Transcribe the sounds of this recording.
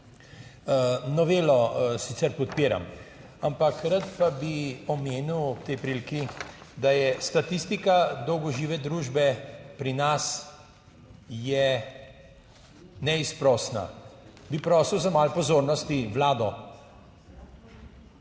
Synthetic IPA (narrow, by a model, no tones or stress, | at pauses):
nɔʋeːlɔsit̪sɛɾpɔt̪peːɾa̰m | ampakɾat̪pabiɔmeːniwɔp̚t̪ɛjpɾilkid̪ajɛst̪at̪ist̪ikad̪ɔwɡɔʒiːʋɛd̪ɾuːʒbɛpɾinas | jɛ | nɛispɾɔsna̰bipɾɔːsəwzamalpɔzoːɾnɔst̪iʋlaːd̪ɔ